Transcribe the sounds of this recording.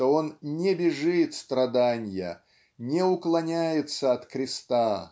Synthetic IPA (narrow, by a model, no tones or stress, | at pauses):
oo̞nnʲɪbʲɪʐɨt̪st̪ɾɐd̪anʲjə̰ | nʲɛʊklˠɐnʲæjɪt̪səɐt̪kɾʲɪst̪a